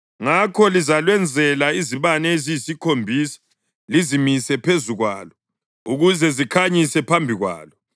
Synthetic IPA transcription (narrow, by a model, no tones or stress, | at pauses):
ŋakʰɔlizalwɛnd͡zʱɛlaiziβanɛezisikʰombʱisḁ | lizimisɛpʰezuɣwa̰ːlɔ | uɣuzɛzikʰaɲisɛpʰambʱiɣwa̰ːlɔ